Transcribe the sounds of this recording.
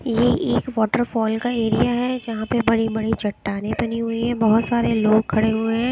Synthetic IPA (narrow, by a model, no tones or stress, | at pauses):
jeʔeːkʋɔːʈəɾfɔːlkaeːɾijaɦɛd͡ʒɐɦãpebɐɽibɐɽit͡ʃʰɐʈːaːnebɐniɦʊiɦɛ̃bɐɦʊt̪saːɾeloːɡ̚kʰːɐɽeɦʊeɦɛ̃ː